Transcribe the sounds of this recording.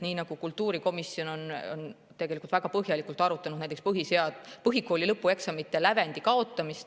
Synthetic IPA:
niːnɑɡ̥ukult̪ːuːɾiko̞misːio̞no̞no̰n | t̪e̞ɡ̥e̞likult̪væɡ̥ɑpɤɦjɑlikˑult̪ˑɑɾut̪ːˑɑnud̪næjt̪espɤɦise̞ɑd̪̥pɤɦiko̞ːlilɤpːˑue̞ksɑmit̪ːˑelæve̞nd̪ikɑo̞t̪ːˑɑmist̪

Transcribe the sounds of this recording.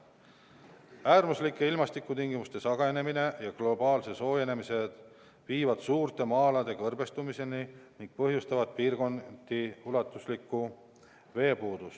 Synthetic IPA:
æːrmuslikːˑeilmɑst̪ikːˑut̪iŋɡ̥imust̪e̞sɑɡ̥ɑene̞mine̞jɑɡlo̞bɑːlse̞so̞ːje̞nemise̞d̪̥ | viːvɑd̪̥suːrt̪e̞mɑːlɑd̪e̞kɤrbe̞st̪umise̞niniŋk̚pɤɦjust̪ɑvɑd̪̥̚piːrko̞nd̪̥iulɑt̪ːˑuslikːˑu | ve̞ːpuːd̪us

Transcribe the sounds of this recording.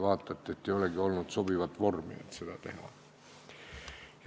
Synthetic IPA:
ʋɑːt̪ːɑt̪ːet̪ːeiolekiolnut̪sopiʋɑt̪ʋormḭḛt̪sit̪æt̪ḛhˑɑ̰ | j

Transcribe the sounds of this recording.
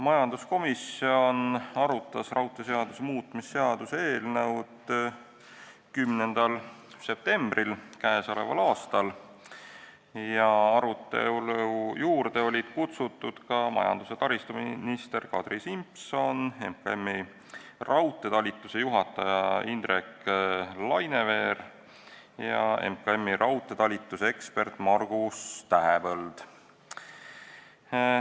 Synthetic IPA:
mɑjɑnd̪usko̞misio̞nɑɾut̪ːˑɑsrɑwt̪ːˑe̞s̬e̞ɑd̪̥usemuːt̪ˑmisːe̞ɑd̪useeːlnɤwd̪ | kymne̞nd̪̥ɑl | se̞p̚t̪e̞mb̥rilkæesole̞̰vɑ̰lɑːst̪ɑl | jɑɑɾut̪ːˑe̞̰uljuːɾd̪e̞o̞lʲid̪̥kut̪sut̪ːˑud̪̥kɑmɑ̰jɑ̰nd̪̥use̞t̪ɑɾist̪uminist̪e̞rkɑd̪risimpso̞ne̞mkɑemːi | rɑwt̪ˑːe̞t̪ɑlʲit̪ːˑuse̞juɦɑt̪ːˑɑjɑind̪ɾe̞klɑjne̞ve̞ːɾ | jɑḛmkɑemːiɾʔɑwt̪ːˑe̞t̪ɑlʲit̪ːˑusee̞kspe̞rt̪ːˑmɑrɡ̥ust̪æɦepɤld̪̥

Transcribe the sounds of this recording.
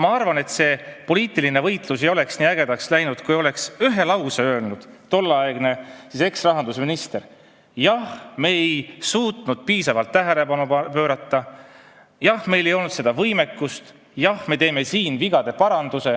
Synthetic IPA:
mɑɑrvɑne̞t̪se̞ːpo̞liːt̪ːˑiline̞vɤjt̪ˑlusejo̞le̞ksniæɡ̥e̞d̪ɑkslæjnud̪̥kujo̞le̞ksyɦe̞lɑwseø̞ːlnud̪̥t̪o̞lːɑeɡ̥ne̞sise̞ksrɑɦɑnd̪usminist̪e̞ɾ | jɑhme̞ejsuːt̪nud̪̥̚piːsɑvɑlt̪ːæɦele̞pɑnupøːɾɑt̪ːˑɑ | jɑhme̞jle̞jo̞lnut̪sed̪ɑvɤjme̞kːust̪ | jɑhme̞t̪e̞ːme̞siːnviɡ̥ɑd̪̥e̞pɑɾɑnd̪̥use̞

